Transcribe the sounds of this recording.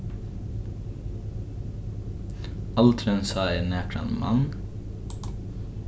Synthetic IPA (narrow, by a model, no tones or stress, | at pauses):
ɑlt̪ʰɾənsɑːeːneːʈʰɾɑ̰nmɑ̰n